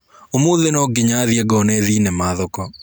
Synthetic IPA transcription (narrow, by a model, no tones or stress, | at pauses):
omoðenɔɡɪɲaðiɛɡɔnɛðinɛmaðɔkɔ